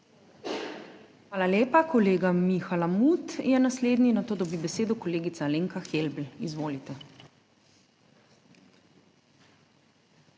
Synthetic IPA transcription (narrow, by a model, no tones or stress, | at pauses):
xʋaːlaljeːpakɔleːɡamixalamut̪jɛnasleːd̪ninat̪oːd̪ɔbibɛseːd̪ɔkɔleːɡit̪saleːŋkaxelbl̩izʋoːlit̪ɛ